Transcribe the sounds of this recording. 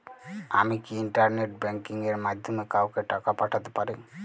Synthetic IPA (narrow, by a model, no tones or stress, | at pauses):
a̰mikiːɳʈaɾneʈ̚beŋkiŋɡeɾmad̪ʱjɔmekawkeʈakapaʈʰat̪e̥paɾɯ